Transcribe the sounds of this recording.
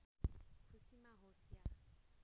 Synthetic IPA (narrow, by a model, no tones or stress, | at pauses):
kʰusimaɦɔsia